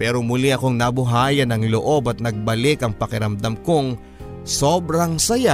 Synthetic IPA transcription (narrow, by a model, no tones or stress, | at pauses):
pɛːɾomulɪʔɐko̞ŋnɐbʊɦaːjɐnɐŋloʔo̞bɐt̪̚nɐɡ̚bɐlɪkɐŋpɐkɪɾɐmd̪ɐmkoŋ | so̞ːbɾɐŋsɐja